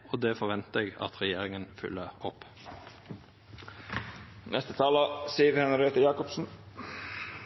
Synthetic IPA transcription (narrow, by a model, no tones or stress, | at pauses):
oːd̪eːfɔʋɛnt̪əeːɡɑ̰t̪ʁɛjeːʁɪŋənfʏ̰lːəʁɔp | nʔɛst̪ət̪ʰɑːləsiːəɾhɛnɑɾeːt̪əjɑːkɔpsn̩